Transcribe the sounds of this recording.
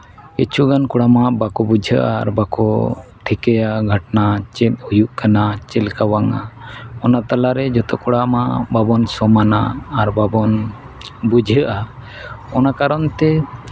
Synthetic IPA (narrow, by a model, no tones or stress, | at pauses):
kit͡ʃʰuɡankuɽamaʔbakɔbud͡ʒʱəʔa̰ːɾbakɔʈʰikɛjaɡʱəʈnat͡ʃɛt̪hujuʔkanat͡ʃɛlkawaŋa̰ɔnat̪alaɾɛd͡ʒɔt̪ɔkuɽamababɔnsɔmanaːɾbabɔn | bud͡ʒʱəʔa | ɔnakaɾɔnt̪ɛ